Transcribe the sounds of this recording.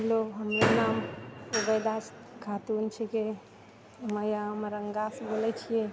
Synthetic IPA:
loɦəmɾenamuɡəd̪as | kʰat̪unt͡ʃʰɛke | məjamɾəŋɡasbolɛt͡ʃʰije

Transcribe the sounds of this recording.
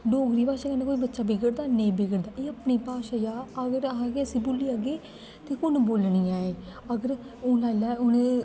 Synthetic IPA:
ɖoːɡɾiːpaːʃaːkɛːneːkoːiːbətːʃaːbɪɡəɾd̪aːnẽbɪɡəɾd̪aːʔeːəpniːpaːʃaːjaːəɡəɾɦãɡeːəsiːboːliːaɡeː | t̪eːkʊnboːlniːaːeː | əɡəɾ | ʊlaːɪlaːʊne

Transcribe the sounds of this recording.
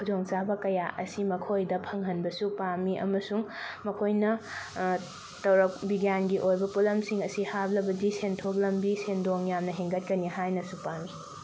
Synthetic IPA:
kʰud͡ʒoŋt͡ʃabɐkɐjaʔɐsimɐkʰojdɐpʰɐŋɦɐnbɐsupamiʔɐ̰mɐsuŋmɐkʰojnɐ | tɐwɾɐk̚biɡjanɡiʔojbɐpulɐmsiŋɐsihablɐbɐdisentʰok̚lɐmbisendoŋjamnɐɦeŋɡɐt̚kɐniɦajnɐsupami

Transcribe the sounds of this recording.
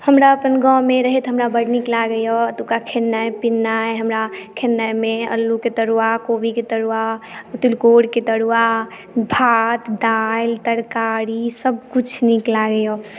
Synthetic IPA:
həmɾaəpənɡɔ̃meɾəɦɛt̪ɦəmɾabəɽniklaɡəjoət̪ukakʰenːajpinːajɦəmɾakʰenːəjmeə̰lːuket̪əɽuwakobiket̪əɽuat̪ulkoɽket̪əɽua | bʱat̪d̪ajlt̪əɾkaɾisəb̚kut͡ʃʰniklaɡəjo

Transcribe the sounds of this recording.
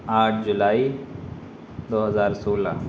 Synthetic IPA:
aːʈʰd͡ʒʊlaːi | d̪oːɦɐzaːɾsoːla̰

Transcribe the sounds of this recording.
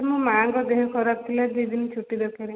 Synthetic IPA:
mũmaŋkɔd̪eɦɔkʰɔɾab̚t̪ʰilad̪id̪init͡ʃʰuʈid̪ɔkeɾe

